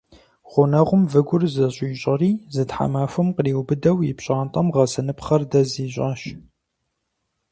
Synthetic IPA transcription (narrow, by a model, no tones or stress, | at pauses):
ʁʷʊnɐʁʷʊmvɨɡʷʊrzɐɕʼiːɕʼɐriːzɨtħa̰maːfɨmqəliːwbɨdɐwjɪpɕʼaːntʼɐmʁɐsɐnɨpχɐrdɐziːɕʼaːɕ